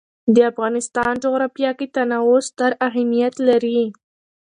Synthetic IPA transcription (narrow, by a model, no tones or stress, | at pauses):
d̪əafɣɑnɪst̪ɑnd͡ʒoɣɾɑfjɑkit̪anawost̪əɾaɦamijat̪laɾi